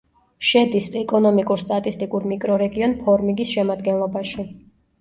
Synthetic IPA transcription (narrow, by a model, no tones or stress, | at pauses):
ʃɛd̪isɛkʼɔnɔmikʼuɾst̪ʼat̪ʼist̪ʼikʼuɾmikʼɾɔɾɛɡiɔnpʰɔɾmiɡisʃɛmad̪ɡɛnlˠɔbaʃi